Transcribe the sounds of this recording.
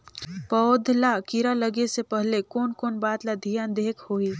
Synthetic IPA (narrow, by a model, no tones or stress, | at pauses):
pɔːd̪ʱlakiɾalɐɡesepɛɦlekɔːnkɔːnbaːt̪lad̪ʱijãnd̪eːkʰhoːi